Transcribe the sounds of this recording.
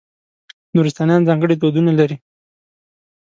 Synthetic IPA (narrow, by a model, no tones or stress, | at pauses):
nuɾist̪ɑnjɑnzɑŋɡəɽet̪̬od̪unalaɾi